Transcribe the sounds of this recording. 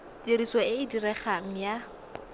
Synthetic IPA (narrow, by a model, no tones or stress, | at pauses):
tieɾiswaɪɪdirɛχaŋ̩ja